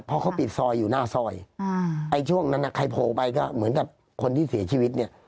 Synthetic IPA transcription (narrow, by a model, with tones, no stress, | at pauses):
pʰɔ˧˥kʰa˥wpi˨˩t̪̚sɔː˧jːuː˨˩naː˥˩sɔː˧˩jʔa˧jt͡ɕʰu˥˩əŋna˧˩nːa˧˩kʰa˧jpʰoː˨˩pa˧jkɔː˥˩mɯ˩˦ənka˨˩p̚ | kʰo˧nt̪ʰiː˥˩si˩˦ɐt͡ɕʰiː˧˩wi˦˥t̪̚ni˥˩ə